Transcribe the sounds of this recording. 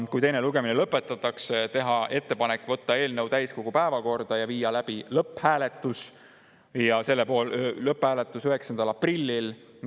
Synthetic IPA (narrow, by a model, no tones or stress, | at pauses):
kujt̪e̞jneluɡ̥e̞minelɤpːˑe̞t̪ːˑɑt̪ːˑɑkset̪e̞ɦɑʔe̞t̪ːe̞pɑne̞kːˑvɤt̪ːɑe̞ːlnɤwt̪æjsko̞ɡ̥upæevɑko̞rd̪̥ɑjɑviːjɑlæb̥ilɤphæːle̞t̪ːˑus | jɑse̞lːepo̞ːllɤphæːlet̪ːˑusyɦe̞ksɑnd̪̥ɑlɑprilʲːil